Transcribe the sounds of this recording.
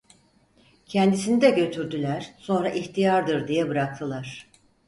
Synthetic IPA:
cʰɛnd̪isinid̪ɛɟø̞t̪ʰyɾd̪ylʲæɾ̥so̞nɾaʔiçt̪ʰijaɾd̪ɯɾd̪ijɛbɯɾak̚t̪ʰɯlˠaɾ̥

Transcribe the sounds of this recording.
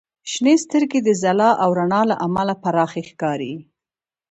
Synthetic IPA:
ʃnest̪əɾɡed̪əzalɑʔawɾaɳɑlaʔamalapaɾɑxexkɑɾi

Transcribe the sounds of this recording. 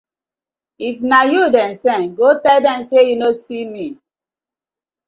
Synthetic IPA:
ifnajudɛ̃nsɛ̃nɡotɛldɛnsejunosimi

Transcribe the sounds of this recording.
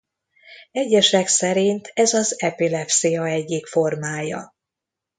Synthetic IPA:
ɛɟːɛʃɛksɛɾint̪ʰɛzɒzɛpilɛfsiɒɛɟːikfo̞rmaːjɒ̰

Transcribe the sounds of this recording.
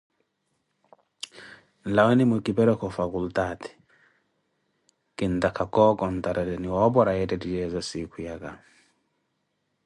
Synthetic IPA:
n̩lawɛnimukipɛɾɔkɔfakultati̥ | kɪntakakɔkɔntaɾɛdɛniwɔbɔɾajɛtɛdid͡ʒɛzasikujaka

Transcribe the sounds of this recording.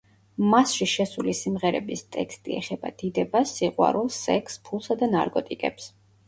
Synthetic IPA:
masʃiʃɛsulisimʁɛɾɛ̰bist̪ʼɛkst̪ʼḭɛ̰χɛbad̪̥id̪ɛbasiqʼwa̰ɾulˠsɛkʰspʰulˠsad̪ana̰ɾkʼɔt̪ʼikʼɛps

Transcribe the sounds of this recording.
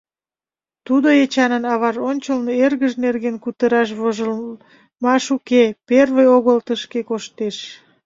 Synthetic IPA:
t̪ud̪oet͡ɕɑnənɑβɑronʲt͡ɕəlnəerɣəʒnerɣenkut̪əɾɑʃ̬βoʒəl | mɑʃukeperβəjoɣəlt̪əʃkekoʃt̪eʃ

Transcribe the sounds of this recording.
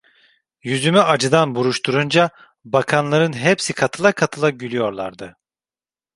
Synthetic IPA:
jyzymyad͡ʒɯd̪anbuɾuʃt̪ʰuɾund͡ʒa | bakʰanlˠaɾɯnɦɛpsikʰat̪ʰɯlˠakʰat̪ʰɯlˠaɟylʲyjo̞ɾlˠa̰ɾd̪ɯ

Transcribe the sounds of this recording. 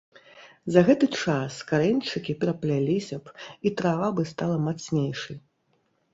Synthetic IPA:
zɐɣɛt̪ɨt͡ʂaskaɾɛnʲt͡ʂɨkʲipʲɛɾɐplʲalʲisʲɐpit̪ɾavabɨst̪alˠɐmat̪snʲejʂɨj

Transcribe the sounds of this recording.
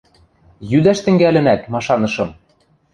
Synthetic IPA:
jyd̪æʃt̪ɘ̆ŋɡælɘ̆næt̪mɑʃɑnɤ̆ʃɤ̆m

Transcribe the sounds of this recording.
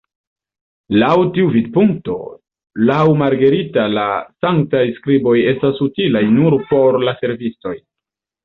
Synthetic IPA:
lawtiuvidpuŋk̚to̞̰ | lawmaɾɡe̞ɾitalasaŋk̚tajskɾibo̞je̞stasutilajnuɾpo̞ɾlase̞ɾvisto̞j

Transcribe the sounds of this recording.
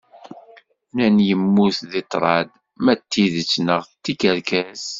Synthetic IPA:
nænjəmːuθðet̪ˤɾˤɑd̪ | mæt̪ʰːiðət͡sːnəʁt̪ːikəɾkæs

